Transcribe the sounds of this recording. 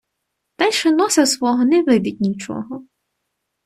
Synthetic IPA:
t̪ɐjʃɛnɔsɐsʋɔɦɔnɛʋɪd̪ʲit̚ʲnʲit͡ʃɔ̰ɦɔ

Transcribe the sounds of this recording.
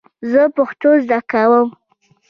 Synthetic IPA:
zəpəxt̪ozd̪akawəm

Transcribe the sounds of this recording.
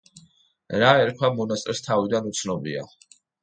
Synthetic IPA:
ɾaɛɾkʰwamɔnast̪ʼɛɾst̪ʰavid̪anut̪sʰnɔbḭa̰

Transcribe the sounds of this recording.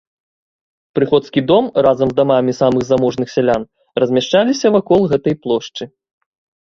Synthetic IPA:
pɾɨxɔt̪skʲid̪ɔmrazɐmzd̪amamʲisamɨɣzamɔʐnɨxsʲalʲan | rɐzʲmʲaʂt͡ʂalʲisʲɐvakɔlˠɣɛt̪ɐjplˠɔʂt͡ʂɨ

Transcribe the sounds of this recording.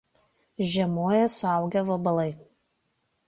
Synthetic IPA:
ʒʲɛmoːjɛsʊɑˑʊɡʲɛʋɐbɐlˠɐɪ

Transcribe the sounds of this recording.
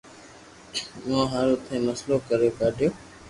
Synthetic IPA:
mãːɦaɾʊt̪ʰẽːməsloːkəɾjoːkaːɖʱjoː

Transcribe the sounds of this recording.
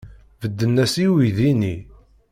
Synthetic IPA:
vəd̪ːənːæsiwiðini

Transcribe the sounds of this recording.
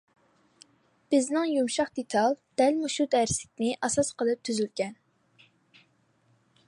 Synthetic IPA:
b̥ɪznɪŋjumʃɑχd̪et̪ʰɑlˠd̪̥ɛlmuʃud̪æɾsɪ̥k̚ʲnɪʔɑsɑsqəlˠɨp̚t̪ʰyzylɡʲɛn

